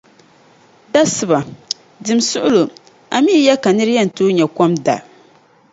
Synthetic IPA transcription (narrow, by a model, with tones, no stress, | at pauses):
da˦sɨ˨ba˨ | dɨ˨msʊ˦ʔʊ˦lo˨ | a̰˨miː˦jɛ˦ka˨nɨ˦ɾɪ˦jɛ˦n̩˨toː˦ɲɛ˨kɔ˦mda̰˨